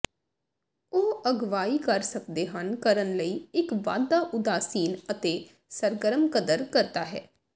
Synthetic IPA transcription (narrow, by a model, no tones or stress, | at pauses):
oːəɡʋaːiːkəɾsək̚d̪eːɦənkəɾənləiːɪkʋa̰ːd̪ːaːʔʊd̪aːsiːnət̪eː | səɾɡəɾəmkəd̪əɾkəɾt̪aːɦɛ̰ː